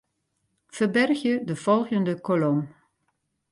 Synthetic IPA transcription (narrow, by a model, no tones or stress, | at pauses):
v̥ərbɛrxjədəv̥ɔlˠɣəndəkolɔm